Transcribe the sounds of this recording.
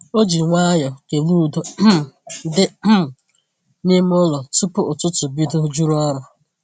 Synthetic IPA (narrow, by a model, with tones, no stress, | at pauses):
o˦d͡ʒi˨ŋʷa˦jɔ˨ke˨lu˦˨do˨˦dɪ˦˨ | ni˦m˦ʊ˦lɔ˨tʊ˦pʊ˦ʊ˨tʊ˦tʊ˨bi˦dʊ˦d͡ʒu˦ɾu˦ɔ˦ɾʊ˨